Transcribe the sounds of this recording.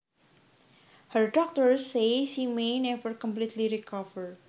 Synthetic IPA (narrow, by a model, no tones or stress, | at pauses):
həɹdɔk̚t̪əɹseʃimenɛvəɹkɔ̃mplit̪liɾikɔvəɹ